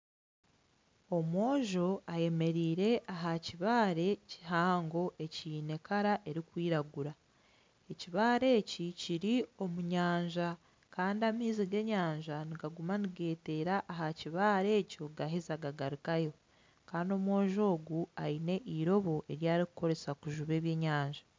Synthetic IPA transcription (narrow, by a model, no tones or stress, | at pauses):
o̞mwo̞ːʒo̞aje̞me̞ɾiːɾe̞ʔaɦaciβaːɾe̞ci̥haːŋɡo̞ʔe̞ciːne̞kaɾaʔe̞ɾikwiːɾaɡuɾa | e̞ciβaːɾe̞ːciciɾio̞muɲaːɲʒa | kaːndiamiːziɡe̞ɲaːɲʒaniɡaɡumaniɡe̞ːte̞ːɾaʔːɦaciβaːɾe̞ːco̞ɡaɦizaɡaɡaɾikajo̞ | kaːndio̞mwo̞ːʒo̞ːɡuaine̞ʔiɾo̞βo̞ʔe̞ɾjaːɾikuko̞ɾe̞sakuʒuβe̞ːβje̞ːɲaːɲʒḁ